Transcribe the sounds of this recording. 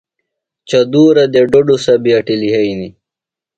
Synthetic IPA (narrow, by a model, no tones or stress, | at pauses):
t͡ɕɐd̪uːɾɐd̪eɖoɖusɐbiɐʈiliɦɐini